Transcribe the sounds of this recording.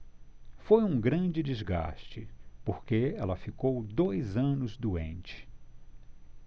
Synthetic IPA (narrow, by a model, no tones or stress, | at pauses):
fojũɡɾɐ̃d͡ʒɪd͡ʒizɡa̰st͡ʃɪ̰poɾkeɛlɐfikowd̪ojzɐ̃nʊzd̪uḛ̃nt͡ʃɪ̥